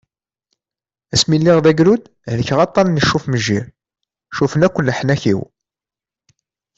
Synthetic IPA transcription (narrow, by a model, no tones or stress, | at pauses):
æsmilːiʁðæɡɾud̪ | ləçʁɑt̪ˤːɑnnːəʃːufməʒːiɾ | ʃufənækʷːənləħnæçḭw